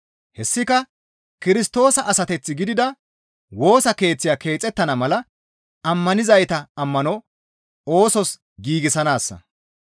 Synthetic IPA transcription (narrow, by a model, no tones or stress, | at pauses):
hɛsːɪkɐ | kɪɾɪst̪o̞ːsɐʔɐsɐt̪ɛt͡sːɪɡɪd̪ɪd̪ɐ | wo̞ːsɐke̞ːt͡sːɪjaːke̞ːt͡sʼːɛt̪ːɐnɐmɐlɐ | ɐmːɐnɪzɐjt̪ɐɐmːɐnɔ | o̞ːsɔs | ɡiːɡɪsɐnaːsːɐ̰